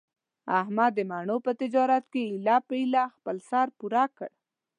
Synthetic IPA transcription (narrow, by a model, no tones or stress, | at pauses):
aɦmad̪əmɑɳopət̪ɪd͡ʒɑɾat̪keilɑpəilɑxpəlsɑɾpuɾɑkə̰ɽ